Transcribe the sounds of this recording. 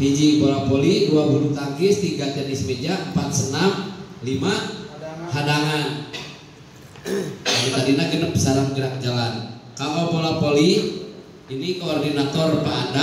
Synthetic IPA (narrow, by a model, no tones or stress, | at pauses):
fid͡ʒibolapoliduabuɾut̪aŋɡɪst̪iɡat̪ɛnɪsmed͡ʒampat̪̚sənamlima | ɦadaŋan | anit̪adinaɡənəp̚saɾamɡəɾak̚d͡ʒalankamapolapoli | inikoːrdinat̪ɔrpada